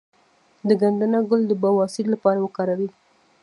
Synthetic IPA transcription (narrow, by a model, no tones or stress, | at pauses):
d̪əɡand̪anaɡʊld̪əbawɑsɪɾlapɑɾawəkɑɾawi